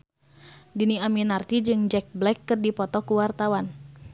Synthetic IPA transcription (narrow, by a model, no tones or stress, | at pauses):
diniaminart̪id͡ʒɨŋd͡ʒɛk̚blɛkːɨrdipɔt̪ɔkuwart̪awan